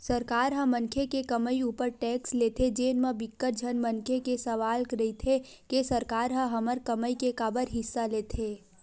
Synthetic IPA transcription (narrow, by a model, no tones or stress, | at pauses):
səɾkaːɾɦə̃mə̃nkʰekekəməiuːpəɾʈɛːksleːt̪ʰed͡ʒeːnmebɪkːəɾ̚d͡ʒʱənmənkʰekesəʋaːlkɾəit̪ʰe | kesəɾkaːɾɦə̃ɦəməɾkəməikekabəɾɦɪsːaleːt̪ʰeː